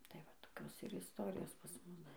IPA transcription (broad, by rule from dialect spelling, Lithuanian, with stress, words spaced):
tɐɪ ʋɐ toːˈkʲoːs ɪr ɪsˈtoːrʲɪjoːs pɐs ˈmʊs